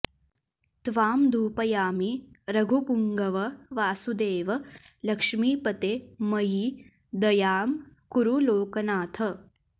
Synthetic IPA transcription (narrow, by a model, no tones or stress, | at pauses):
t̪ʋaːmd̪ʱuːpɐjaːmiɾɐɡʱupuŋɡɐʋɐʋaːsud̪eːʋɐ | lɐkʂmiːpɐt̪eːmɐji | d̪ɐjaːmkuɾuloːkɐnaːt̪ʰɐ